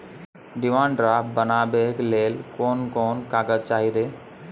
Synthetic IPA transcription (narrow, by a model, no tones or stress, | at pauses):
ɖɪmãːɳɖɾaːbənaːbeːkleːlkoːnkoːnkaːɡəd̪̚t͡ʃaːɦiɾeː